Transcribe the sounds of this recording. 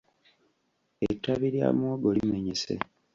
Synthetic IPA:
ḛtːaβiɾja̰ːmwoːɡo̞lime̞ɲesḛ

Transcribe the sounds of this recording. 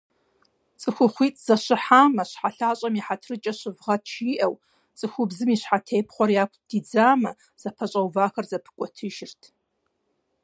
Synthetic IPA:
t͡sʼɨxʷʊχʷiːtʼz̥ɐɕɪħaːmɐɕħaɬaːɕʼɐmiħatʰrɨt͡ʃʼɐɕɪvʁɐtʰt͡ʃʰiːʔɐw | t͡sʼɨxʷʊbzɨmiːɕħatʰeːjpʰχʷɔrjaːkʷʰd̥id͡zaːmɐ | z̥ɐpʰɐɕʼɐwvaːxɐrzɐpʰɨ̥kʷʼɔtʰɨʒɪrtʰ

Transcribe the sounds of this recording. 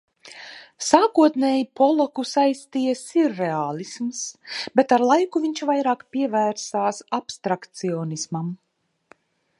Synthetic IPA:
saːkuɔt̪neːjipɔlˠɔkusajst̪ijasiɾːeaːlˠismsbet̪aɾlˠajkuviɲʲt͡ʃvajɾaːkpʲiɛvæːɾsaːsapst̪ɾakt̪siɔːnismam

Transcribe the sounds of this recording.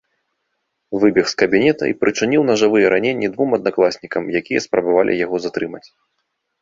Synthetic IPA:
vɨbʲixskɐbʲinʲɛt̪ɐ̰ḭpɾɨt͡ʂɨnʲiwnɐʐɨvɨjɛɾanʲenʲːid̪vumɐd̪naklˠasʲnʲikɐmjakʲijɛspɾʔɐbavalʲʔḭjaɣɔzat̪ɾɨmɐt͡sʲ

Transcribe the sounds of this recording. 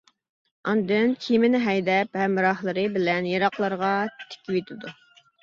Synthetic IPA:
ɑnd̪ɨnkʲʰimɪnɪɦɛjd̪ɛphɛmːɨɾɑhlˠəɾɨbɪlɛnjɑɾɑqlˠɑɾʁɑt̪ʰɪ̥kʲiwet̪ʰɪd̪u

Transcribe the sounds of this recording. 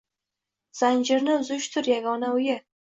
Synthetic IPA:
z̥and͡ʒɪɾnɪʊzʊʃt̪ʰʊɾjaɡɒnaʊjɪ

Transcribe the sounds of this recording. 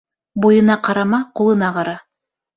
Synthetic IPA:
bujɤ̆nɑqɑɾɑmɑqulˠɤ̆nɑqɑɾɑ

